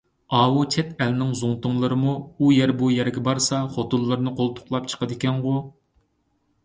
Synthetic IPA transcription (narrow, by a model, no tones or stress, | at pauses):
ɑːwut͡ʃʰɛt̪ɛlnɪŋzuŋt̪ʊŋlˠɨɾɨmuːjɛɾbujɛɾɡʲɛbɑɾsɑχot̪ulˠːɨɾnɨqʰolˠt̪ʰʊ̥χlˠɑp̚t͡ʃʰə̥qəd̪ɪkʲɛnʁʊ